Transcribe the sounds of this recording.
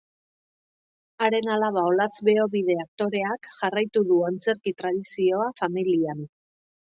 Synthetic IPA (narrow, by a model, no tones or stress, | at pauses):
aɾe̞nalaβao̞lat͡sβe̞o̞βið̞e̞ak̚t̪o̞ɾe̞akʝarajt̪uðuant͡se̞ɾkit̪ɾað̞isio̞afamilian